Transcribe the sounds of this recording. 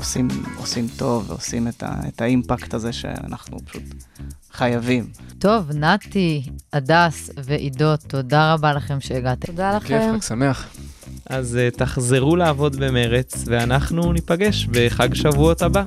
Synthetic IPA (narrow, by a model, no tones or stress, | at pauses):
osimo̰simt̪o̞vːḛosimet̪a̰etaimpakt̪aze̞ʃḛa̰na̰χnṵpḁʃut̪χajavimt̪o̞vnat̪iadasve̞ʔido̞t̪ːo̞daʁabalaχe̞mʃeːɡat̪ed̪alakesameaχ | ʔazt̪aχzeʁuleavo̞d̪be̞me̞ʁet͡sveanaχnunipaɡe̞ʃbe̞χaɡʃavuot̪aba